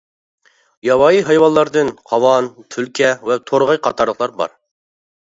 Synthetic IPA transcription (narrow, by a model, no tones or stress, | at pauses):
jɑwɑjiɦɑjwɑlˠːɑɾd̪ɨnqʰɑwɑnt̪ʰylkʲʰɛvɛt̪ʰoɾʁɑjqʰɑt̪ʰɑɾlˠəqlˠɑɾbɑ̰ɾ